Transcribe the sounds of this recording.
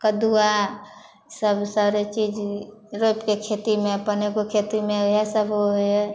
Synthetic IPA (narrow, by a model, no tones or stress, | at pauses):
kəd̪ua | səbsaːɾet͡ʃiːd͡ʒɾoːpkekʰeːt̪imẽpənekokʰeːt̪imẽɦɛsəboɦe